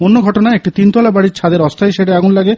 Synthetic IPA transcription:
onːoɡʱɔʈonaeek̚ʈit̪int̪ɔlabaɽit͡ɕʰad̪eɾɔst̪ʰaeʃeɽeaɡunlaɡe

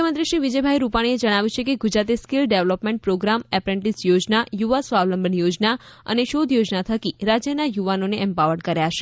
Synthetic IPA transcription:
əkʰəmənt̪ɾiʃɾiʋid͡ʒəjbʱajɾupaɽ̃ied͡ʒəɽ̃aʋjũt͡ʃʰekeɡud͡ʒɾat̪̬eskilɖeʋlɔpmɛ̃ɳʈ̚pɾoɡɾamɛpɾɛ̃ɳʈisjod͡ʒnajuʋasʋaʋləmbəɳjod͡ʒnaə̰neʃod̪ʱjod͡ʒnat̪ʰəkiɾad͡ʒjənajuʋanoneɛmpaʋəɽkəɾjaʃe

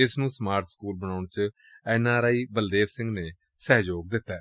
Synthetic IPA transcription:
ɪsnũːsmaːɾʈskuːlbəɽaːʊɳt͡ʃ | ɛːnaːɾaːiːbəld̪eːʋsɪ̃ŋɡneː | sɛːd͡ʒoːɡ̚d̪ɪt̪ːɛː

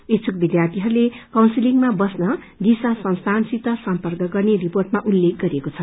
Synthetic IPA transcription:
et͡sʰuk̚bid̪jart̪iɦʌɾulekawnsiliŋmabʌsnʌ | d̪isasʌ̃w̃st̪ʰansit̪ʌsʌmpʌrkʌɡʌrneriporʈ̚maʔulːek̚ɡʌɾekot͡sʰʌ

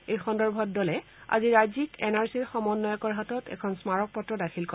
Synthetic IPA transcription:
ejxɔndɔɹbʱɔt̚dɔlɛ | a̰ziɹajzikɛnaɹsiɹxɔmɔnːɔjɔkɔɹɦatɔtɛ̰kʰɔnsmaɹɔk̚pɔtːɹɔdakʰilkɔ

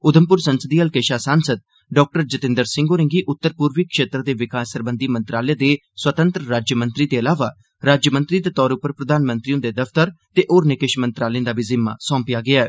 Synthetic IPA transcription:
ʊd̪əmpʊɾsənsəd̪iːəlkeːʃaːsaːnsəd̪̚ | ɖɔːk̚ʈəɾd͡ʒət̪ɪ̃nd̪əɾsɪ̃ŋɡoːɾɪ̃ŋɡiːʔʊt̪ːəɾpuːɾʋikʃeːt̪ɾəd̪eːʋɪkaːsəɾbə̃nd̪iːmənt̪ɾaːljẽːd̪eː | swət̪ə̃nt̪ɾəɾaːd͡ʒjəmə̃nt̪ɾiːd̪eːəlaːʋaː | ɾaːd͡ʒjəmə̃nt̪ɾiːd̪eːt̪ɔːɾʊpːəɾpɾəd̪aːnmə̃nt̪ɾiõːd̪eːd̪əfʰt̪əɾt̪eːʔoːɾnɪkeʃmə̃nt̪ɾaːlẽd̪aːbiːzɪmːa̰ːsɔ̃ːmpɪjaːɡɪaːɛː

